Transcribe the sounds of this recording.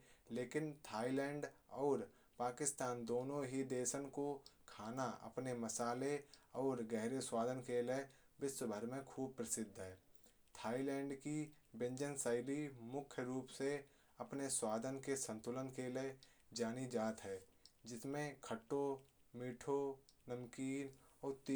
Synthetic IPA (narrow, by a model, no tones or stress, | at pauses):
leːkɪnt̪ʰaːilɛ̃ːɳɖɔːɾ | paːkɪst̪aːnd̪oːnõɦid̪eːʃənkokʰaːnaə̰pneməsaːleɔːɾɡɛɦɾeswaːd̪ʱənkele | bɪswəbʱəɾmẽkʰuːb̚pɾəsɪd̪ʱːɦɛː | t̪ʰaːilɛ̃ːɳɖki | bɪ̃ɲd͡ʒənsaɪlimʊkʰjəɾuːpse | ɐpneswaːd̪ʱənkesə̃nt̪ʊlənkele | d͡ʒaːnid͡ʒaːt̪ɦɛː | d͡ʒɪsmẽkʰəʈːomiːʈʰonəmkiːnɔːɾt̪ː